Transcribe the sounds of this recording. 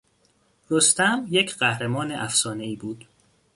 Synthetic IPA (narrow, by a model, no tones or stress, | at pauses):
ɾost̪æmjecʰɢæhɾemɒːne̞ʔæfsɒːne̞iːbuːd̪̥